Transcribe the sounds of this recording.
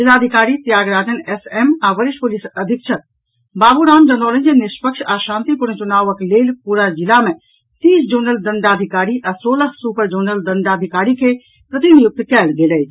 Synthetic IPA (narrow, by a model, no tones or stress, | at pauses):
d͡ʒilaːd̪ʱikaːɾit̪jaːɡɾaːd͡ʒənesemaʋəɾɪʃʈpulisəd̪ʱikt͡ʃʰət̪̚ | baːbuɾaːnd͡ʒənɔlə̃nd͡ʒeniʃpəkʃʰaʃãːnt̪ipuɾt͡ʃunaːʋəkleːlpuɾad͡ʒilame | t̪iːsd͡ʒunəld̪əɳɖaːd̪ʱikaːɾiʔasoːləksupəɾd͡ʒonəld̪əɳɖ̪aːd̪ʱikaːɾikʰe | pɾət̪injuk̚t̪kɛːlɡeːlɛjt͡ʃʰ